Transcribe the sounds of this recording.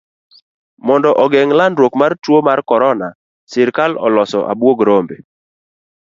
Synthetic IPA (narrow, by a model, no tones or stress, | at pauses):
mɔndɔʔɔɡɛŋlandɾwokmartwomarkɔɾɔna | sɪɾkalɔ̰lɔsɔ̰ʔa̰bwoɡɾombe